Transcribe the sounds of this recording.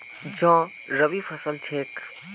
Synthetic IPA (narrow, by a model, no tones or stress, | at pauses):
d͡ʒɔ̃ː | ɾəbipʰəsəlt͡ʃʰeːk